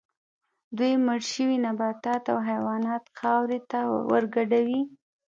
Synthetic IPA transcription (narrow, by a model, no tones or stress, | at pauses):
d̪wujməɽʃəwinabɑt̪ɑt̪awɦajwɑnɑt̪xɑwɾet̪awə̰ɾɡaɖawi